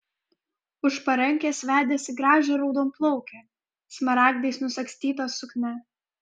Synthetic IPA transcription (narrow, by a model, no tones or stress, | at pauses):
ʊʃpɐɾɛŋʲkʲeːsʋʲæːd̪ʲeːsʲɪɡɾɑːʒʲeɾɔʊd̪oːmplˠɔʊkʲeː | smɐɾɑːɡd̪ʲɐɪsnʊsɐksʲt̪ʲiːt̪oːsʊknʲɛ